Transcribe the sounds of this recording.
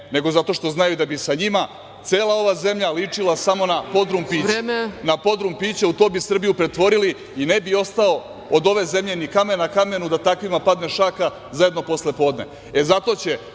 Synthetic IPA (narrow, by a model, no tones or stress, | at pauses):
ne̞ɡo̞zat̪o̞ʃt̪o̞znajuid̪abisaɲima | t̪se̞ːlˠao̞ʋaze̞mʎalit͡ʂilˠasamo̞napo̞d̪ɾumpiːenapo̞d̪ɾumpiːt͡ɕeut̪o̞ːbisr̩bijupɾe̞t̪ʋo̞ɾili | inebio̞st̪ao̞ | od̪o̞ʋe̞ze̞mʎenikame̞nakame̞nud̪at̪akʋimapad̪ne̞ʃaka | zaje̞d̪no̞po̞sle̞po̞ːd̪ne̞̰ | e̞zat̪o̞t͡ɕe̞